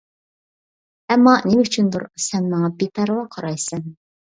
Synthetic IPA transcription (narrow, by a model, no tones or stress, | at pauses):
ɛmːɑnemɪyt͡ʃʰynd̪uɾsɛnmɑŋɑbep̪ʰæɾʁɑqʰɑɾɑjsɛn